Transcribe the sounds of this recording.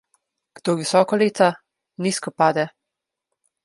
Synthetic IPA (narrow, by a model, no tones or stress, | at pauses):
ɡ̥d̪oːʋisɔːkɔleːt̪a | niskɔpaːd̪ɛ